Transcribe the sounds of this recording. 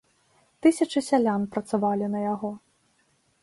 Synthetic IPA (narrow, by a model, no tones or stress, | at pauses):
t̪ɨsʲɐt͡ʂɨsʲalʲanpɾɐt̪savalʲinɐjaɣɔ